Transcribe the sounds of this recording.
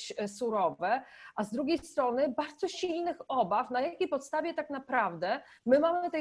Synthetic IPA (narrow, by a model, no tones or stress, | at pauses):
suɾɔvɛʔazd̪ɾuɡʲejst̪ɾɔnɘbaɾd̪zɔɕilnɘxɔbafnajakʲejpɔt̪st̪avʲjɛt̪aknapɾavd̪ɛmɘmamɘt̪ɛ